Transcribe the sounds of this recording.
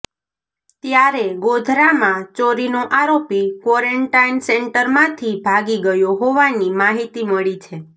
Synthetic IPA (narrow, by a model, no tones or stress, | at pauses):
t̪jaɾeɡod̪ʱɾamãt͡ʃoɾinoʔaɾopikʋɔɾeɳʈainsɛɳʈəɾmãt̪ʰibʱaɡiɡəjoɦoʋanimaɦit̪iməɭit͡ʃʰe